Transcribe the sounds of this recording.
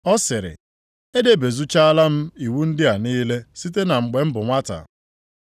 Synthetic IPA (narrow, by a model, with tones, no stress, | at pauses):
ɔ˦sɪ˨ɾɪ̰˨ | e˦de˦be˨zu˦t͡ʃa˦a˦la˦m̩˦i˨wu˦n̩˦dɪ˦a˨niː˦le˦si˦t̬e˦na˨ŋ͡m̩˨ɡ͡be˨m̩˦bʊ˨ŋʷa˦ta̰˨